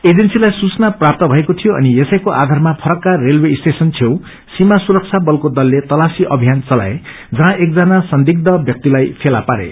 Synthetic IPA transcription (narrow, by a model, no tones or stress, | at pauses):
ed͡zensilajsut͡snaprap̚t̪ʌbʱʌekot̪ʰijoʔʌ̰nijesʌjkoʔad̪ʱarmapʰʌɾʌkːarelwest̪esʌnt͡sʰew | simasuɾʌk̚t͡sʰabʌlkod̪ʌlːet̪ʌlasiʔʌbʱijant͡sʌla̰e | d͡zʌɦãʔek̚d͡zanasʌnd̪ik̚d̪ʌbjʌk̚t̪ilajpʰelapaɾḛ